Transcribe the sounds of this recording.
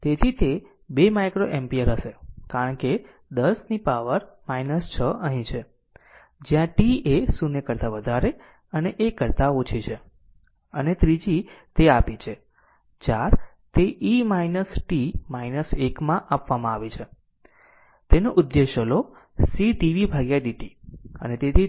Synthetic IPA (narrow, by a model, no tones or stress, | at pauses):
t̪et̪ʰit̪e | bemajkɾoʔempijəɾɦəʃekaɾəɳke | d̪əsnipaʋəɾmainəst͡ʃʰəəɦĩt͡ʃʰe | d͡ʒjãʈiesunekəɾt̪aʋəd̪ʱaɾe | əneʔekːəɾt̪aot͡ʃʰit͡ʃʰe | ə̰net̪ɾid͡ʒit̪eapit͡ʃʰe | t͡ʃaɾ | t̪eʔimainəsʈimainəsekmãʔapʋamãaʋet͡ʃʰe | t̪enoʔʊd̪ːeʃəlo | siʈiʋibʱaɡjaɖiʈiə̰net̪et̪ʰi